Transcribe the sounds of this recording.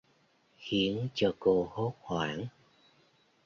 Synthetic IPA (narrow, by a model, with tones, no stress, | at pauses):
xi˨˦ənt͡ɕɔ˧ko˧ho˦˥t̚xwaː˧˩n